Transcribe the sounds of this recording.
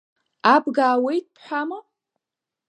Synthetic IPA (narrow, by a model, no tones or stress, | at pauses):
abɡaːwejt̚ʰʼpʰħʷᶣama